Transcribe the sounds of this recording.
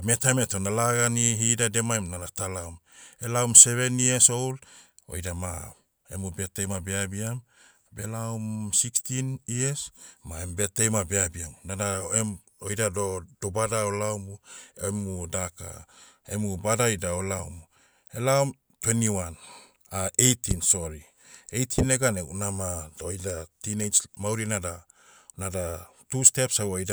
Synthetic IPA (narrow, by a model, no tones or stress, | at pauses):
metametonalaɡaniɦidade̞maemnanatalawme̞lawmse̞βe̞nieso̞wl | o̞̰jdama | ḛmube̞tejmabeabiam | be̞lawmsikstiniesmaembe̞tejmabeabiamnanaem | ojdadodobadaolawmuemudaka̰ | ḛmubadajdaolawmu | e̞laom | twe̞niwan | aʔejtinso̞ɾi | ejtʰine̞ɡaneunamadojdatinejt͡ʃmawɾinada | nada | tuste̞psaojda